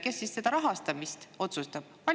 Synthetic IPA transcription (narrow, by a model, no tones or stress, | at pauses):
ke̞sːisse̞d̪̥ɑɾɑɦɑst̪ɑmist̪o̞t̪sust̪ɑb̥pɑ